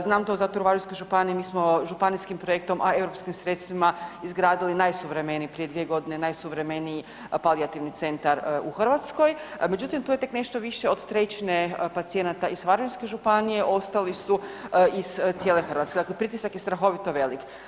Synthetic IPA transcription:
znaːmt̪o̞zat̪uɾʋaʒiskojʒupanijemiːsmo̞ʒupaniskimpɾo̞je̞k̚t̪o̞mʔae̞vɾopskimsɾe̞t̪st̪ʋimaizɡɾaːd̪ilinajsuʋɾe̞me̞nipɾijed̪ʋije̞ɡo̞d̪ine̞najsuʋɾe̞me̞niji | paliat̪iʋnit̪se̞nt̪aɾuxrʋat̪sko̞jme̞d͡ʒut̪imt̪uːje̞t̪e̞kne̞ʃt̪o̞ʋiʃe̞od̪t̪ɾe̞t͡ɕinepat̪sije̞nat̪aisʋaɾʒinske̞ʒupanije̞ʔo̞st̪alisuiz̥t̪sijeːle̞xr̩ʋat̪skeaklepɾit̪isakjest̪ɾaxo̞ʋit̪o̞ʋe̞lik

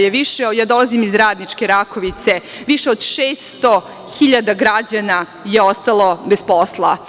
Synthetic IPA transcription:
jeʋiʃejaːd̪olˠazimizɾaːd̪nit͡ʂkeɾakoʋit̪se | ʋiʃeod̪ʃeːst̪o | xiʎad̪aɡɾad͡ʑana | jeo̞st̪alˠo̞besposlˠa

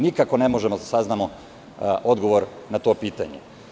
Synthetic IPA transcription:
nikako̞ne̞mo̞ʒemod̪asaznamo | ʔo̞d̪ɡo̞ʋoɾ | nat̪o̞ːpiːt̪a̰ɲḛ

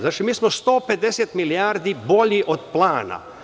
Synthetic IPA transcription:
zaːt͡ʃimiːsmost̪o̞ːpe̞d̪eset̪milijaːɾd̪ibo̞ʎiʔo̞d̪plˠaːna̰

